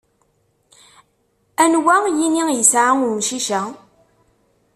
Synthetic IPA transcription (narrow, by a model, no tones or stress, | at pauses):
ænwæjinijəsʕaŋʊmʃiʃæ